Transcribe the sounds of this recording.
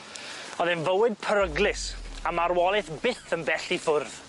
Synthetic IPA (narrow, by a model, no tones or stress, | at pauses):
ɔðɨnvəwɨd̚pʰəɾəɡlˠɪsamaɾwɔlˠɪθbɪθənbɛɬifʊrð̥